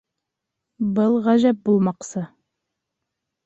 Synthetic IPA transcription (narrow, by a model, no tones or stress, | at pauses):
bəlˠʁæʒæp̚bulˠmɑqsɤ